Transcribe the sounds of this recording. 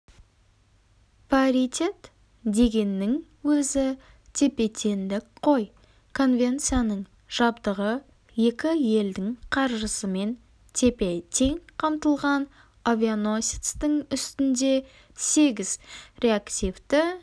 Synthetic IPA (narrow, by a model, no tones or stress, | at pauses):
pioɾit̪ʲe̞t̪ | d̪e̞ɡʲe̞nːɪŋ | wɵzɪ | t̪ʲʰe̞pe̞t̪ʲʰe̞nd̪ɪkqʰo̞j | kʰo̞nvʲe̞nt̪sɨjanəɴ | ʒ̥ɑbd̪əʁə | je̞kʲɪje̞ld̪ɪŋqʰɑɾʒəsəme̞n | t̪ʲʰe̞pe̞t̪ʲʰe̞ŋqʰɑmt̪əlˠʁɑn | avʲiono̞sʲit̪st̪əŋʏst̪ɪnd̪e̞ | se̞ɡʲɪz̥ɾʲe̞akt̪ʲijvt̪ɪ